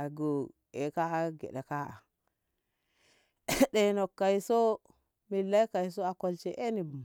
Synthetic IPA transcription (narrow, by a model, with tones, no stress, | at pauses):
a˨ɡo˨ | e˨ka˦ɡḛ˨ɗe˨ka˦a̰˨ | ɗe˨no˨kːa˨i˨so˦ | mi˨lːa˦jka˨jso˦a˨ko˨lt͡ʃɛ˨ʔe˦ni˨